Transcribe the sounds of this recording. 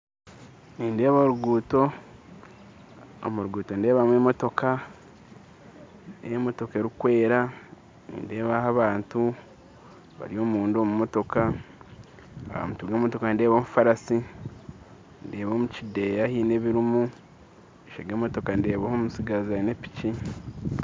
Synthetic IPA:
niːnde̞ːβoɾuɡuːto̞ | o̰muɾuɡuːto̞nde̞ːβamwe̞ːmo̞to̞ka | ejmo̞to̞ke̞ɾikwe̞ːɾa | nḭːnde̞ːβahaβaːntu | βa̰ɾio̞ːmuːndomumo̞to̞ka | aβa̰mutuɡemotokande̞ːβoːmufaɾasi | ndeːβomucide̞jahiːne̞βiɾimu | eʃeɡeːmo̞to̞kande̞ːβahomusiɡazane̞pi̥ci

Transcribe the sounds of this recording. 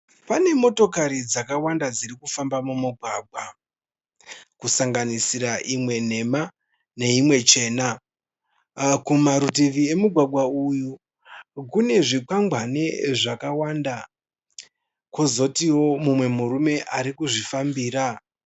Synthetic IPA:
pane̞mo̞to̞kaɾid͡zakawandad͡ziɾikufambamumuɡʱwaːɡʱwa | kusaŋɡanisiɾaʔimwe̞n̤e̞ma | ne̞imwe̞t͡ʃe̞ːna | kumaɾutiʋie̞muɡʱwaɡ͡bʱwauju | kune̞ʐikwaŋɡʱwane̞ʐakawaːnda | kozo̞tiwo̞mumwe̞muɾume̞ʔaɾikuʐifambiːɾa

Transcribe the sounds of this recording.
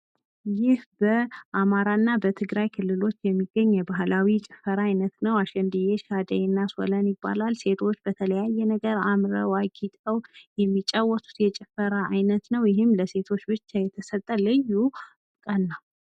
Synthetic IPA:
jɪhbəʔamaɾaɨnːabət̪ʰɨɡɾajkʰɨlːɨlo̞t͡ʃːjɛmːiɡːəɲːɛbaɦlawit͡ʃʼɪfəɾaːjnət̪nəwaʃɛnd̪ɨjeʃad̪əɛnːaswɔ̰lənjɪbːa̰lalse̞t̪ʰo̞t͡ʃːbət̪ʰələjajːɛnəɡəɾamɾəwaɡit̪ʼəwjɛmːit͡ʃʼawːɔt̪ʰʼu̥t̪jɛt͡ʃʼɪfəɾaʔajnət̪nəwjɪɦɪmləse̞t̪ʰo̞t͡ʃːbɨt͡ʃːajɛt̪ʰəsət̪ʼːəlɨjːu | kʼənːal

